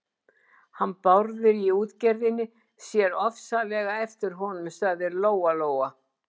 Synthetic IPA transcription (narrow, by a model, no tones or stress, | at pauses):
hanːpawɾðɪɾiuːt̪cɛɾðɪnːɪ | sjɛɾɔfsalɛːɣaɛft̪ɪɾ̥ɦɔnʏmst̪aːðɪɾloːwaloːwa